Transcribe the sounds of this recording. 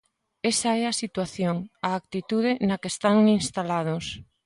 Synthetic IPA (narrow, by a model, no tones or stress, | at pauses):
ɛsɐɛasit̪waθjoŋaːk̚t̪it̪uðɪnɐkest̪aŋinst̪alað̞os